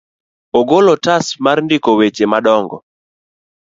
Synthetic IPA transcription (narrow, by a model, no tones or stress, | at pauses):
oɡolɔtasmarndikowet͡ʃemaɗɔŋɡɔ̰